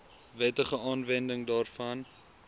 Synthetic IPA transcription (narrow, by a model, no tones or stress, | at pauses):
vɛtəχəɑːnvɛndəŋdɑːrfɐn